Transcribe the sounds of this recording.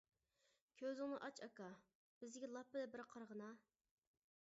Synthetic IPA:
kʲʰøzɪŋnɨʔɑt͡ʃʰɑkɑ | b̥ɪzɡʲɛlˠɑpːɪd̪ɛbɪɾqʰɑɾʁənɑ

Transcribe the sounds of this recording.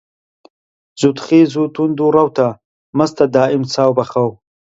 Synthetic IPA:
zut̪χiːzut̪und̪uɾawt̪ʰa | mɐst̪ʰad̪aːɪmt͡sʰaːwbɐxaw

